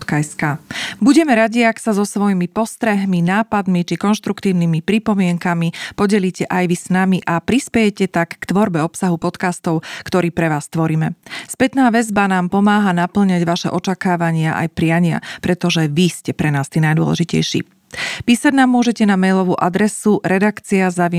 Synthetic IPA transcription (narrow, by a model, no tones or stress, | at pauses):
t̪kaɛskabuɟɛmɛɾaɟiaksazɔsʋɔjimipɔst̪ɾɛɦminaːpad̪mit͡ʃikɔnʃt̪ɾukt̪iːʊnimipɾipɔmɪɛŋkamipɔɟɛliːcɛʔajʋisnamiʔapɾispɛjɛcɛt̪akːt̪ʋɔɾbɛɔpsaɦupɔt̪kast̪ɔʊkt̪ɔɾiːpɾɛʋaːst̪ʋɔɾiːmɛspɛt̪naːʋɛzbanaːmpɔmaːɦanapl̩ɲaɟʋaʃɛ̰ʔɔt͡ʃakaːʋaɲɪaʔa̰jpɾɪaɲɪa̰pɾɛt̪ɔʒɛʋiscɛpɾɛnaːst̪iːnajd̪ʊɔ̰lɛ̰ʒicɛ̰jʃḭː | piːsaɟnaːmːʊɔʒɛcɛnamɛjlɔʋuːʔad̪ɾɛsuɾɛd̪akt͡siazaʋi